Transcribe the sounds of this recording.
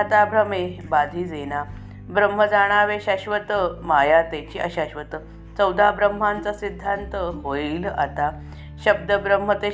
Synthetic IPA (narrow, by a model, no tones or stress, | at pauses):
at̪abʱɾəmebad̪ʱiːd͡zena | bɾəm̤ːəd͡zaɽ̃aʋeɕaɕʋət̪əmajat̪at͡ɕiːʔəɕaɕʋət̪ə | t͡səwd̪ʱabɾəm̤ːant͡səsid̪ʱːant̪əɦoiːla̰t̪a | ɕəb̚d̪əbɾəm̤ət̪e